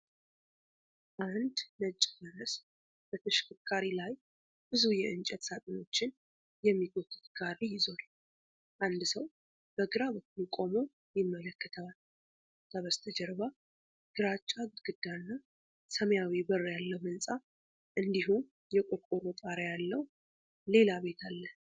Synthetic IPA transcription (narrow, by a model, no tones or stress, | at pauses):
ʔand̪nət͡ʃʼːməɾəs | b̥ət̪ʰəʃɪ̥kʰɨkʰːaɾilaj | bɨzujɛɨnt͡ʃʼɛt̪sat̪ʼɨno̞t͡ʃːɪn | jɛmːit̪ʰok̪ʼːɨt̪ɡarijɪzon | ʔand̪səw | b̥əɡɨɾaβəkːukʼo̞mo̞ | jɪmːələkːət̪ʰal | t̪ʰʼaβəst̪ʰəd͡ʒɛɾβa | ɡ̥ɨɾat͡ʃʼːaɡ̪ɡɨd̪ːanːa | səmjawibərːjalːəwmɨnsʼa | ʔɨnd̪iɦum | jɛkʼokʼoɾot̪ʼaɾjalːəw | le̞laβe̞t̪ʰalːə